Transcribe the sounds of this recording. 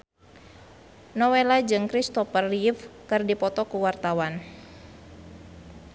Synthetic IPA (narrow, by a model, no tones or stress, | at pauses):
nɔwelad͡ʒɨŋkɾist̪ɔfərifkɨrdipɔt̪ɔkuwart̪awan